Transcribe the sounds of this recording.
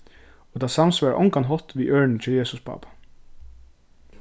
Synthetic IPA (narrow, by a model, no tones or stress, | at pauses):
oːd̪ɑːsɑmsʋɑːɾʔɔŋkanɦɔt̪ʋiːʔœːɹɳn̩t͡ʃʰɛljeːsʊspʰɑ̰ːpḁ